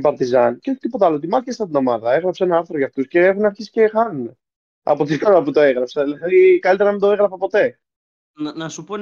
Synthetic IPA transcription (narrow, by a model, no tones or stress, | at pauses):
pɐɾt̪izɐnceoçi̥t̪ipo̞t̪ɐalot̪̬imɐθcesɐt̪ino̞mɐðɐe̞ɣɾɐpsenɐɐɾθɾoʝɐft̪usce̞exunɐɾçisi̥ce̞xɐnune | ɐ̰po̞t̪ikanuɐput̪o̞eɣɾɐpsɐlðikɐlit̪eɾɐðend̪oe̞ɣɾɐfɐpo̞t̪e̞ | nɐsupo